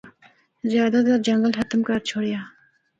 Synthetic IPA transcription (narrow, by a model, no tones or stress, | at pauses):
zjaːd̪ad̪ɐɾd͡ʒɐŋɡəlɦɐt̪mkaɾt͡ʃʰoɽjaː